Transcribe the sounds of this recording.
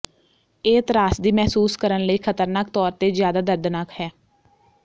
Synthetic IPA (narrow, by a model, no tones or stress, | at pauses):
eːt̪ɾaːsd̪iːmɛːsuːskəɾənləiːkʰət̪əɾnaːk̚t̪ɔːɾt̪eːzjaːd̪aːd̪əɾd̪naːkhɛː